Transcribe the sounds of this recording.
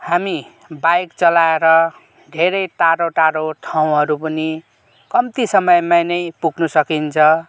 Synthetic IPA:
hami | bajkt͡sʌlaeɾʌ | ɖʱeɾʌjt̪aɾoʈaɾot̪ʰaw̃ɦʌɾupʌni | kʌmt̪isʌmʌjmajnʌjpuɡnusʌkint͡sʰʌ̃

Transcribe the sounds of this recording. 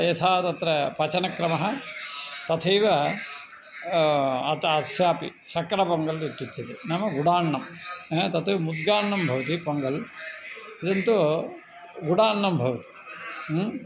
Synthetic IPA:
et̪ʰaːt̪ɐt̪ɾɐpɐt͡ʃɐnɐkɾɐmɐɦɐ | t̪ɐt̪ʰɐjʋɐ | ɐt̪ɐsjaːpḭ | ʃɐkɾɐpɐŋɡɐld̪it̪ːut͡ʃ̪ːɐt̪enɐmɐɡuɽaːɳːɐmt̪ɐt̪uʋmud̪̚ɡaːɳːɐmbʱɐʋɐt̪ipoŋɡɐl | id̪ɐnt̪u | ɡuɽaːɳːɐmbʱɐʋɐt̪i̥

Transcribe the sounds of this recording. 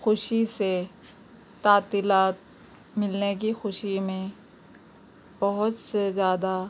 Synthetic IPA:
xʊʃise | t̪aːt̪iːlaːt̪̚ | mɪlnek̬ixʊʃimẽ | bɐɦʊt̪sezjaːd̪a

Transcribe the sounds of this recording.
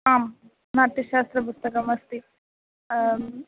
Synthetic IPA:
aːm | naːʈ̪iʃaːst̪ɾɐpust̪ɐkɐmɐst̪i

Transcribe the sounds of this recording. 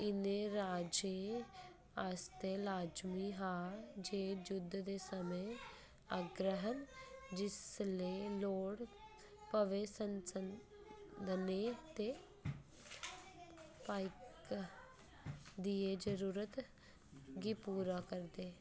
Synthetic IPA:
ɪnẽɾaːd͡ʒe | aːst̪eːlaːd͡ʒmiːɦaːd͡ʒeːd͡ʒʊd̪ʱːd̪eːsəmẽ | aːɡɾəɦənd͡ʒɪsleːloːɽ | pəʋeːsənsən | d̪əneːt̪eː | paːɪk | d̪ieːd͡ʒəɾuːɾət̪ | ɡiːpuːɾaːkəɾd̪eː

